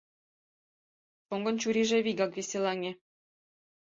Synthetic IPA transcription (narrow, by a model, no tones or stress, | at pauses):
ʃoŋɡɤ̆nt͡ɕuɾiʒĕβiɡɑkβesʲelɑŋʲe